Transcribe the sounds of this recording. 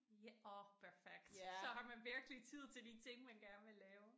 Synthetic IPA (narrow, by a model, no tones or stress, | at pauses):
ɔpʰæɐfeɡ̥̚d̥sɒ̽ɦɑ̈mænʋiɐɡ̥əlit͡sʰið̞̰ˠt͡sʰe̝ld̥it͡sʰe̝ŋ̰mænɡ̥æɐnʋe̝lɛːʊ